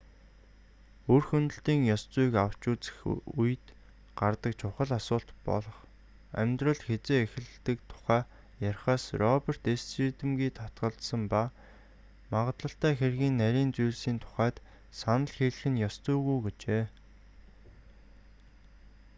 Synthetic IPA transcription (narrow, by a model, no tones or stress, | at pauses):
urxɵnt̪ɵ̆ɬt̪iːŋjɔst͡sujkaw̥t͡ɕʊːt͡sɘ̥̆xujt̪ | ɢ̥art̪ə̆kt͡ɕʰʊχə̆ɮasʊːɬt̪pɔ̰ɮɞ̆χ | æ̰mʲt̪rə̆ɮxet͡seːexɘ̆ɮt̪ɘ̆kt̪ʰʊ̥χæː | jaɾʲχaːsrɔper̥t̪essit̪ɘ̆mɡiːt̪ʰɔt̪ɢə̆ɮt̪sə̆mpa | maʁə̆t̪ɮə̆ɬt̪æːxerɣiːnːæɾʲiːnt͡sujɮsiːnt̪ʰʊ̥χæːt̪ | sanə̆ɮxeɮxɘ̆njɔst͡sʊjɣujɡet͡ɕeː